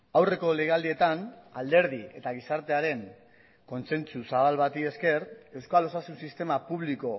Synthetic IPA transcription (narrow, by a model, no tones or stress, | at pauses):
awre̞ko̞le̞ɣald̪ie̞t̪anald̪e̞ɾð̞ie̞t̪aɣ̞isaɾt̪e̞aɾe̞ŋ | ko̞nt͡se̞nt͡susaβalβat̪ie̞ske̞ɾe̞wskalo̞sasunsist̪e̞mapuβ̞liko̞